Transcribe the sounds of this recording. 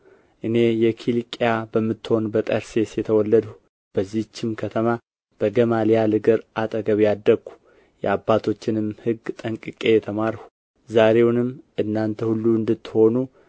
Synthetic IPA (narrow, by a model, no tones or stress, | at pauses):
ʔɨne̞jɛkʰilikʼjabəmːɨt̪ːho̞nbət̪ʼəɾse̞sjɛt̪ʰəwɔlːəd̪u | b̥əzːit͡ʃːɪmkʰət̪ʰəma | b̥əɡəmalijalɨɡɨɾʔat̪ʼəɡəβijad̪ːəɡu̥ | jɛ̰abːat̪ʰo̞t͡ʃːɪnɨmhɨɡt̪ʼəŋkʼɨkʼe̞jɛt̪ʰəmaɾhu̥ | zaɾe̞wnɨmʔɨnːant̪ʰəhulːuɨnd̪ɨt̪ːho̞nu